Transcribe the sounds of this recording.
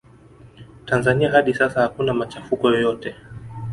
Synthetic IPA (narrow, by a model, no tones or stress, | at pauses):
tanzaniaɦaɗisasahakunamat͡ʃafukɔjɔjɔtɛ